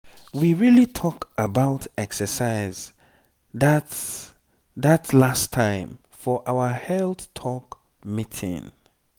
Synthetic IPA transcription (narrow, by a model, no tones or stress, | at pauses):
wiɹilitʰɔkəbaʊtɛksəsaɪz | ðat | ðatʰlastʰːãɪ̃m | fɔʔaʊəhɛlˠθtʰɔk | mitʰɪ̰̃ŋ